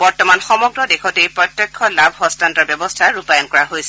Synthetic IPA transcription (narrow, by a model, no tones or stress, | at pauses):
bɔɹtɔmanxɔmɔɡɹɔdexɔtejpɹɔt̪ːjɔkʰːɔlabʱɦɔstʰantɔɹbjɔbɔstʰaɹupajɔnkɔɹaɦojsɛ